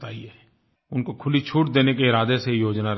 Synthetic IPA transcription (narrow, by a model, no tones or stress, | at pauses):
t̪aːieː | ʊnkokʰʊlit͡ʃʰuːʈd̪eːnekeɪɾaːd̪esejoːd͡ʒnaɾ